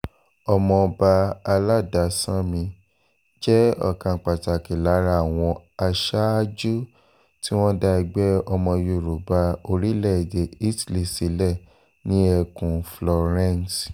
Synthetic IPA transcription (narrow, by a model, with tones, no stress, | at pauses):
ɔ˧mɔ̃˧ba˧a˧la˦˨da˧˨sã˦mĩ˧ | d͡ʒɛ˦ɔ̰˦˨kã˧˨k͡pa˨ta˨ki˨la˨˦ɾa˦a˨w̃ɔ̃˧a˧ʃa˦d͡ʒu˦ | ti˦w̃ɔ̃˦da˧i˧ɡ͡bɛ˦ɔ˧mɔ̃˧ju˨ɾu˨ba˧o˧ɾi˦lɛ˦˨de˨i˦tli˨si˨˦lɛ˦˨ | nĩ˨˦ɛ˧kũ˨flɔ˧ɾɛ̃˦˨n˨s